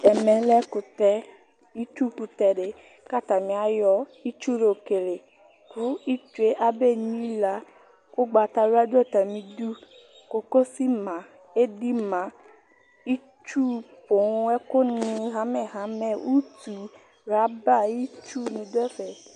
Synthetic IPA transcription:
ɛ˨mɛ̃˨lɛ˦ku˨t̪ɛ˨ | i˦t͡ʃu˦ku˨t̪ɛ˨ɖe˨ | ka˦˨t̪a˨mĩ˨a˨jɔ˦i˦t͡ʃu˦ɾo˨ke˨le˨ | ku˦i˦t͡ʃu˨e˦ʔa˦be˦ɲĩ˦la˨ | ko˦ɡ͡ba˨t̪a˨ɾu˦a˦d͡ʒe˦t̪a˨mĩ˨du˦ | ko˨ko˦si˦mã˨ | e˦di˦mã˨˦ | i˦ | t͡ʃu˦po˨˦wɛ˦ko˦nĩ˨ɦã˨˦mɛ̃˨ɦã˨˦mɛ̃˨ʔu˦t̪u˨ | ɾa˨˦ba˦ji˦t͡ʃu˦nĩ˨do˦ɛ˦ɸɛ˨

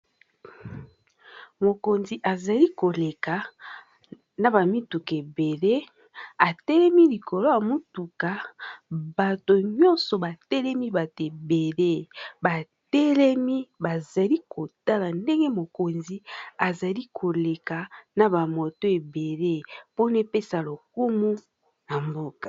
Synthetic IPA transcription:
mo˨ko˨nzi˨ʔa˨za˨li˦ko˨le˨ka˨ | na˨ba˨mi˦tu˨ke˨be˨le˦ | a˨tɛ˦lɛ˦mi˦li˨kʰo˨lo˦ja˨mo˦tu˨ka˨ | ba˨to˨ɲɔ̃˦nsɔ˨ba˨tɛ˦lɛ˦mi˦ba˨to˨e˨be˨le˦ba˨ | tɛ˦lɛ˦mi˦ba˨za˨li˦kʰo˨ta˦la˨nde˦ŋɡe˦mo˨ko˨nzi˦a˨za˨li˦kʰo˨le˨ka˨na˨ba˨mo˨to˦e˨be˨le˦po˦ne˦pe˦sa˨lo˨k̚u˦mu˦ | na˨mbo˦kḁ˨

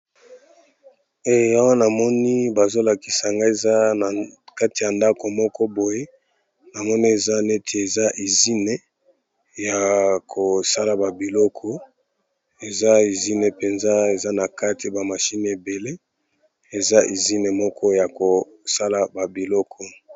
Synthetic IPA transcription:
e˦˨ja˦wa˦na˨mɔ˦ni˦ba˨zo˦la˨ki̥˨sa˨ŋɡa˦e˨za˦a˨ka˦ti˨ja˨nda˦ko˨mɔ˦kɔ˦bo˨je˦ | na˨mɔ˦ni˦e˨za˦ne˦tʰe˨e˨za˦ʔi˨zi˦ne˨ | ja˨kʰo˨sa˦la˨ba˨bi˨lɔ˦kʰɔ˦ | e˨za˦i˨zi˦ne˨pe˨nza˦e˨za˦na˨ka˦ti˨ba˨ma˨ʃi˦n˨e˨be˨le˦ | e˨za˦ʔi˨zi˦ne˨mɔ˦kʰɔ˦ja˨ko˨ | sa˦la˨ba˨bi˨lɔ˦kʰɔ˦

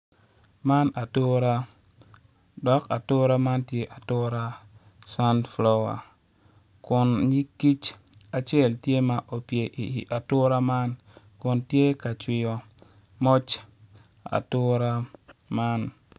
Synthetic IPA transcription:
ma˦na˨tu˦ɾa˦ | dɔ˦ka˨tu˦ɾa˦ma˦ntje˦ʔa˨tu˦ɾa˦ | sa˦ntflɔ˦wa̰˨ | ku˨nɲi˦kːi˦t͡ʃa˨t͡ʃe˦˨ltje˦ma˨ʔo˨pi˨e˨ʔi˨ʔa˨tu˦ɾa˦ma˦n | ku˨nti˦e˦ka˨t͡ʃwi˦jɔ˦ | mɔ˦t͡ʃ | a̰˨tu˦ɾa˦ma˦n

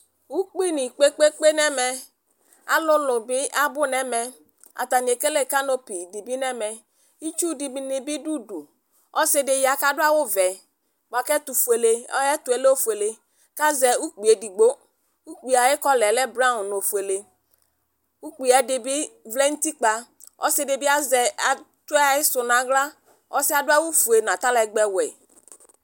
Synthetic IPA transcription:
u˦k͡pi˦ni˨k͡pe˦k͡pe˦k͡pe˦nɛ˦mɛ˨ | a̰˨lʊ˦lʊ˨bɪ˦a˦bʊ˦nɛ˦mɛ˨ | a̰˨ta˨ni˨e˨ke˦le˦˨ka˦no˦pi˨di˨bi˦nɛ˦mɛ˨ | i˦t͡ʃu˦di˨bi˦nɪ˨bɪ˦du˦du˨ | ɔ˦sɪ˦dɪ˨ja˨ka˦dʊ˦a˦wʊ˦vɛ˨ | ɡ͡ba˨kɛ˦tu˨fu˨e˨le˨ɔ˦ɛ˦tu˨e˨˦le˦o˦fu˨e˨le˨ | ka˦zɛ˨u˦k͡pi˨e˨di˨ɡ͡bo˦ | u˦k͡pi˨a˨jɪ˦kɔ˦lɛ˨lɛ˦bɾa˦˨no˨fu˨e˨le˨ | u˦k͡pi˨ɛ˨dɪ˨bi˦vlɛ˦n̩˦ti˦k͡pa˨ | ɔ̰˦sɪ˦de˨bɪ˦a˦zɛ˨a˨ | tu˦ɛ˦a˨jɪ˦sʊ˨na˨ɡla˦ | ɔ˦sɪ˦a˨dʊ˦a˦wu˦fu˨e˨nã˨ta˦lɛ˨ɡ͡bɛ˨wɛ˨

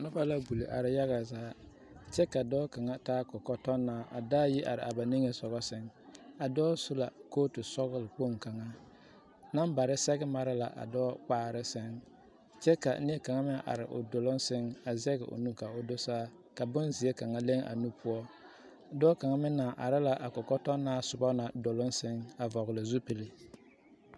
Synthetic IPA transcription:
nʊ˦pa˦la˦bu˨li˨ʔa̰˨ɾɪ˦ja˦ɣa˨zaː˦ | t͡ʃɛ˦ka˨dɔː˦ka˨ŋa˦taː˦kɔ˨kɔ˦tɔ˦nːaː˨ʔa̰˨daː˦ji˦ʔa˨ɾɪ˨a˨ba˨ni˦ŋe˨sɔ˨ɣɔ˦sɪ˦ŋa˨dɔː˦sʊ˦la˨koː˦tʊ˨sɔ˦ɣʊ˦lɪ˨k͡po˦˨ŋka˨ŋa˦ | na˦mba˨ɾɪ˦sɛ˦ɡɪ˦ma˨ɾɪ˦la̰˨ʔa̰˨dɔː˦k͡paː˦˨ɾɪ˦sɪ˦ŋ | t͡ʃɛ˦ka̰˨˦ni˦ɛ˦ka˨ŋa˦mɪ˦ʔa̰˨ɾɪ̰˨ʔʊ̰˨do˨lʊ˦n˦sɪ˦ŋa˨zɛ˦ɣɪ̰˨ʔʊ̰˨nũ˦ka˨ʊ˨do˦saː˦ | ka˨bʊ˦nzi˨e˦ka˨ŋa˦le˦ŋʔa̰˨nu˦pʊ˦ɔ˦˨ | dɔː˦ka˨ŋa˦mɪ˦naː˨ʔa˨ɾɪ˦la˨ʔa˨kɔ˨kɔ˦tɔ˦naː˦sʊ˨bɔ˦na˨do˨lʊ˦n˦sɪ˦ŋa˨vɔ˨ɣɪ˨lɪ˨zu˦pi˨lɪ˨

